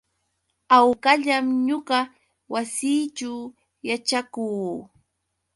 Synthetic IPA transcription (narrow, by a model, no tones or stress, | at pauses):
awkaʎamɲoɢɑ | wasiːt͡ʃaw | jat͡ʃakuː